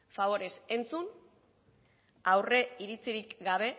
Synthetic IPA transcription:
faβ̞o̞ɾe̞se̞nt͡sun | awre̞iɾit͡siɾikɡaβ̞e̞

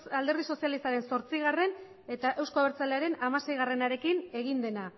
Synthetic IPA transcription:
ald̪e̞ɾðiso̞sialist̪aɾe̞nso̞ɾt͡siɣ̞are̞n | e̞t̪aʔe̞wsko̞βeɾt͡saleaɾe̞namase̞jɣ̞are̞naɾe̞kine̞ɣ̞ind̪e̞na

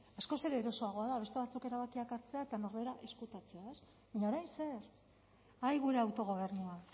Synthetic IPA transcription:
asko̞se̞ɾeːɾo̞so̞aɣ̞o̞aðaβe̞st̪eβat͡suke̞ɾaβ̞akiakaɾt͡se̞aet̪ano̞ɾβe̞ɾaʔe̞skut̪at͡se̞ae̞s | βaɲaoɾajnse̞ɾ | ajɣuɾe̞awt̪o̞ɣ̞o̞β̞e̞ɾnua

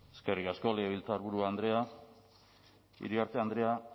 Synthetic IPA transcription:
eske̞rikasko̞leeβilt͡saːɾβuɾuaːnd̪ɾe̞a | ḭɾiaɾt̪eand̪ɾe̞a

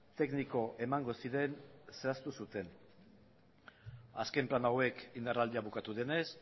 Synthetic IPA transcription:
t̪e̞kniko̞ʔe̞maŋɡo̞siɾe̞nseast̪usut̪e̞n | aske̞mplanawe̞kind̪arald̪iaβukat̪uðe̞ne̞s

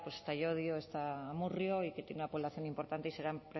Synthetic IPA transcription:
pwosest̪ajoðjoest̪aːmurjoiket̪jenunapolaθjo̞nimpo̞ɾt̪ant̪eise̞ɾampɾe

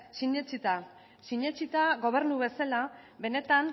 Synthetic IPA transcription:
siɲet͡ʃit̪a | siɲet͡ʃit̪aɣo̞β̞e̞ɾnuβe̞salaβe̞ne̞t̪an

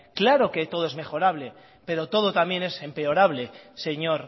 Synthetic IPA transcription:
klaɾo̞ke̞t̪o̞ð̞oe̞zme̞xo̞ɾaβ̞le̞ | pe̞ɾo̞t̪o̞ð̞o̞t̪amje̞ne̞se̞mpe̞o̞ɾaβ̞le̞se̞ɲo̞ɾ

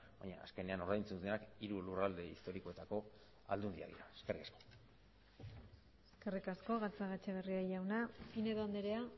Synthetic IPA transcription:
ba̰ɲa̰a̰ske̞ne̞ano̞ɾðajnt͡sunt͡senakiɾulurald̪e̞ist̪o̞ɾiko̞e̞t̪ako̞ | a̰ld̪und̪ia̰ðḭɾaeskerikasko̞̥ | eske̞rikasko̞ɣat͡saɣat͡ʃaβ̞e̞riaʝawnapine̞ðoand̪eɾea

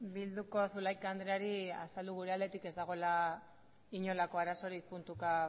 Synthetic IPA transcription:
bild̪uko̞sulajkand̪ɾeaɾia̰sald̪uɣuɾe̞ald̪e̞t̪ike̞zd̪aɣ̞o̞la | iɲo̞lako̞aɾaso̞ɾik̚punt̪uka

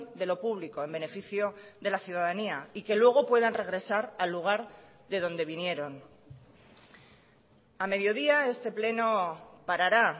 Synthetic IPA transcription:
d̪e̞lo̞puβliko̞e̞mbe̞ne̞fiθjo̞ðe̞laθjuð̞aðaniaike̞lwe̞ɣ̞o̞pwe̞ðanre̞ɣ̞ɾe̞saɾalːuɣ̞aɾ | ðe̞ð̞o̞nd̪e̞β̞inje̞ɾo̞n | ame̞ðjo̞ðiae̞st̪e̞ple̞no̞paɾaɾa

